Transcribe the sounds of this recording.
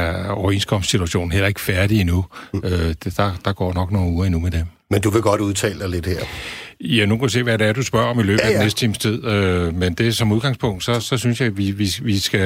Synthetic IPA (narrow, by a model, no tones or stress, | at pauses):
ɒʊe̝̰ːnsɡ̥ʰɒ̽mssit͡sʰuæɕo̝̰ːn̩hel̰ɐe̝ɡ̥əfæɐɾ̥iinuø̥d̥ɑ̈d̥ɑ̈ɡ̥ɒ̰ːnɒ̽ɡ̥no̝ːn̩uːɐinumed̥em | mend̥uʋe̝ɡ̥ɒ̽d̥uðˠt͡sʰɛ̰ːld̥ɑɪle̝d̥heɐ̰jænukæuse̝̰ːʋæɾeæɐd̥usb̥ɶɐ̰ɒ̽milø̰ːð̩æd̥enesd̥ə̥t͡sʰiːmst͡sʰið̞̰ˠømend̥e̝sɒ̽muðˠɡ̥ɑ̈ŋspʰɔ̽ŋ̰d̥sɒ̽sɒ̽synsjɑ̈ɪʋiʋiʋisɡ̥æ